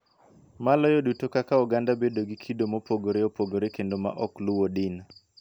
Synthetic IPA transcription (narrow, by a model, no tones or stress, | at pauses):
malɔjɔdutokakaɔɡandabedoɡikʰidomopoɡoɾeopoɡoɾekendoma̰ʔɔkluwodɪn